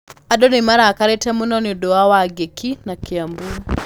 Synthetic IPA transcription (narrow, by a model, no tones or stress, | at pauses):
aɗɔnimaɾaːkaɾɛtɛmunɔniɗɔawaɡɛkinakiambuna